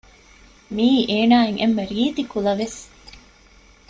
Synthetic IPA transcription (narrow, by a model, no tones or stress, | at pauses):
miːʔeːnaːeŋʔḛmːeɾiːt̪ikulɐʋes